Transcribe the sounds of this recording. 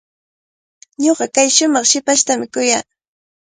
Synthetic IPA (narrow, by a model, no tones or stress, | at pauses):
ɲoɢɑkajʃʊmɑχʃɪpaʃt̪amɪkʊjaː